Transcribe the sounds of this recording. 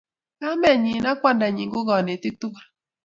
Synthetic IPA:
ka˦mɛ˦˨ɲi˨na˦kwa˦˨nda˨ɲi˨ŋɡo˦ɡɔ˨ni˨t̪i˦k̚t̪u˦kɾa˨

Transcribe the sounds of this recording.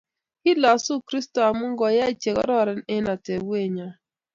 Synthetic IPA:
i˦la˨su˦kɾi˦stɔ˨a˨mu˦ŋ˦ɡɔ˨ja˦i˨t͡ʃe˨kɔ̰˦ɾɔ˦˨ɾɛ˦nɛ˦na˨te˨wwe˦˨ɲa˦

